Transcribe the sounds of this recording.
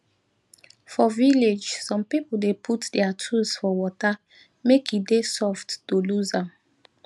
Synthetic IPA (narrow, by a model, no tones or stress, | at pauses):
fɔviled͡ʒsɔ̃mpipl̩depʰutdɛatʰusfɔwɔta | mekʰidesɔfttoluzãm